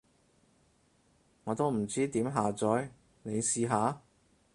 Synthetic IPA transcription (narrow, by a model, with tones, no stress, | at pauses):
ŋɔː˨˧t̪o˥wm̩˨˩t͡siː˥t̪iː˨˥mɦaː˨t͡sɔː˨˥j | ne˨˧jsiː˧ɦaː˨˥